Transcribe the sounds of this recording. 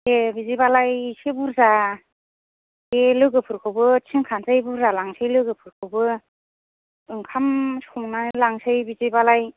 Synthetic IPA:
ebizijbalajsebuɾza | kelɯɡɯpʰɯɾkʰɯwbɯtʰiŋkʰanzɯjbuɾzalaŋsɯjlɯɡɯpʰɯɾkʰɯwbɯ | ɯŋkʰamsuŋnajlaŋsɯjbizibalaj

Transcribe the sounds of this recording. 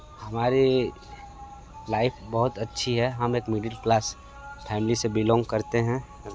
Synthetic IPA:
hɐmaːɾi | laːɪpʰbɐɦʊt̪ɐtːʃʰiɦɛɦɐmeːkmɪɖəlklaːs | pʰɛːmlisebɪlɔ̃ːŋɡkɐɾt̪eɦɛ̃

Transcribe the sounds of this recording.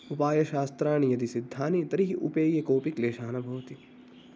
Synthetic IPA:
upaːjɐʃaːst̪ɾaːɳijɐd̪isid̪ʱːaːnit̪ɐɾiɦiʔṵpeːjɐkoːpikleːʃaːnɐbʱɐʋɐt̪i

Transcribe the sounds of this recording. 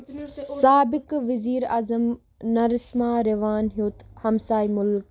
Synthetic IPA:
saːbɪkʋɪziːɾaːzəm | nɐɾɪsmãːɾeʋaːnɦioːt̪hɐmsaːimʊlk

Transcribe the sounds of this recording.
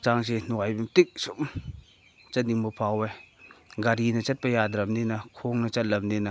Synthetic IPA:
t͡ʃaŋsinuajbimtik̚sum | t͡ʃɐt̚niŋmupʰawe | ɡɐɾinɐt͡ʃɐt̚pɐjadɾɐmninɐkʰoŋnɐt͡ʃɐt̚lɐmninɐ

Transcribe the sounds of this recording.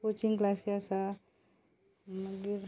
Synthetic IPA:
kot͡ʃiŋklasasa | ɡiɾ

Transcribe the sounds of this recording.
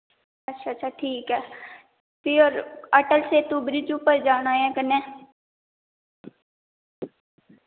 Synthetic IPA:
ɐtːʃʰaətːʃʰaʈʰiːkɦɛː | pɪɾɔːɾəʈəlset̪ubɾɪt͡ʃuːpəɾd͡ʒaːñaːãːkənẽː

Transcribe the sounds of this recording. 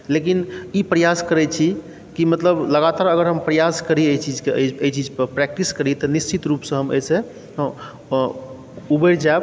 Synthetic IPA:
lek̬inipɾəjaskəɾɛt͡ʃʰi | kimət̪ləbləɡat̪aɾəɡəɾɦəmpɾəjaskəɾiəjt͡ʃid͡ʒkeʔəəjt͡ʃid͡ʒəpɾɛk̚ʈiskəɾit̪ɔnist͡ʃit̪ɾupsə̃ɦəmə̰jse | ubəɾd͡ʒaeb

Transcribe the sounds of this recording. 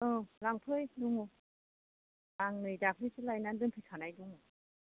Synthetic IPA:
ɯlaŋpʰɯjduŋu | laŋnɯjdakʰɾɯjsʰɯlajnandɯnpʰɯtʰanajduŋu

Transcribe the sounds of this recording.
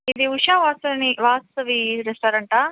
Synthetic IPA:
id̪iuʂaːʋaːst̪ɐʋniʋaːst̪ɐʋiɾest̪aːɾɐɳʈaː

